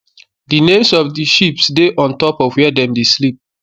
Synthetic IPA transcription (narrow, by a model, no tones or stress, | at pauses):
dinẽmsɔvdiʃipsdeʔɔ̃ntɔpɔvwɛdɛ̃mdeslip̚